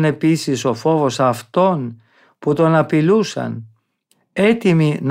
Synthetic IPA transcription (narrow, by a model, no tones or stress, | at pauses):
ne̞pisiso̞fo̞vo̞sɐft̪o̞n | put̪o̞nɐpilusɐ̰n | e̞t̪imin